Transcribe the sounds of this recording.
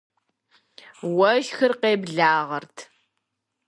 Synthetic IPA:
wɐʒxɨrqeːbɮaːʁɐrtʰ

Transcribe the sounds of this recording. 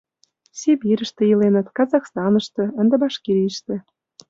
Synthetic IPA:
sʲibiɾə̆ʃt̪ĕjilenə̆t̪kɑzɑxst̪ɑnə̆ʃt̪ɤ̆ə̆nd̪ĕbɑʃkiɾʲiiʃt̪ĕ

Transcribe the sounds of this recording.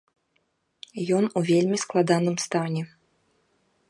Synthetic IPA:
jɔnuvʲelʲmʲisklˠad̪anɨmst̪anʲɛ

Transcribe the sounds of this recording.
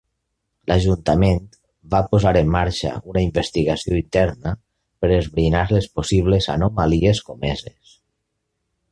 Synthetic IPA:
lʔaʒunt̪amẽnt̪ | bapozaɾəmːaɾʃa̰unaimbest̪iɣasioint̪ɛɾnə | pəɾezβɾinaɾlesposiβ̞leza̰nomalieskomezes

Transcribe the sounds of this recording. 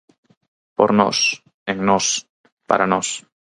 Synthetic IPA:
po̰ɾno̰s | eŋnos | pa̰ɾanos

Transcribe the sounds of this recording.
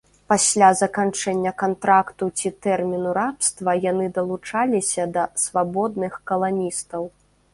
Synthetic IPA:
pasʲlʲazɐkant͡ʂɛnʲːɐkant̪ɾakt̪ut͡sʲit̪ɛrmʲinuɾapst̪vɐjanɨd̪ɐlˠut͡ʂalʲisʲɐd̪ɐsvabɔd̪̚nɨxkɐlˠanʲist̪ɐw

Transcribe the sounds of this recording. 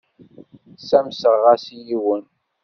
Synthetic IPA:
sæmsəɾʁasjiwən

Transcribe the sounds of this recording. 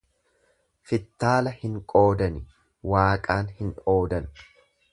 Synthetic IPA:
fɪt̪ːaːlɐhɪŋkʼo̞ːd̪ɐnɪ | waːkʼaːnhɪno̞ːd̪ɐn

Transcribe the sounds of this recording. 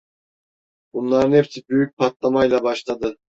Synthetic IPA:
bunlˠɑɾnepsɪbyjyk̚ʲpʰɑt̪lˠɑmɑjlˠɑbɑʃlˠɑd̪ɨ

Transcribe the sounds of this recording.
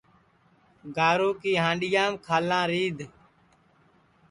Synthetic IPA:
ɡaːɾoːkiːɦãːɳɖɪjãːmkʰaːlãːɾiːd̪ʱ

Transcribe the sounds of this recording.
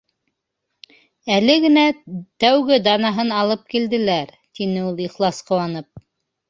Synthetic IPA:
ælɘɡɘ̆næt̪æwɡɘd̪ɑnɑɦɤnɑlˠɤp̚kild̪ɘ̆læɾ | t̪inɘulˠiχlˠɑsqɤ̆wɑnɤp̚

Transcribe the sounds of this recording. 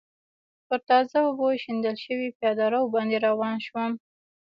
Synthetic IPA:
pəɾt̪ɑzaoboʃind̪əlʃəwipjɑd̪ɑɾawbɑnd̪eɾawɑnʃwəm

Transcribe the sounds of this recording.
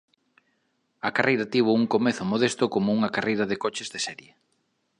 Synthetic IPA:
ɐkarejɾɐt̪iβ̞ʊuŋkomeθʊmoðest̪ʊkomouŋɐkarejɾɐðekɔt͡ʃɪzðesɛɾje

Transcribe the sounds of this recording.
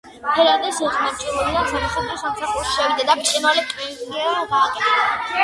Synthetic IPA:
pʰɛɾad̪ɛsɛʁnat͡ʃʼɛluliasamasaχisamsaχuɾʃi̥ʃɛvid̪ad̪ap̪ʼinwalɛpʼɾizliaɡaːkʼɛt̪ʰɛa

